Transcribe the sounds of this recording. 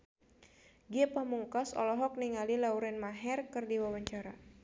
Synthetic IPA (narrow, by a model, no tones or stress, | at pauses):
ɡiɛpahmuŋkɔsɔ̰lɔɦɔk̚niŋalilauɾɛnmaɦɛrkɨrdiwawaɲt͡ʃaɾa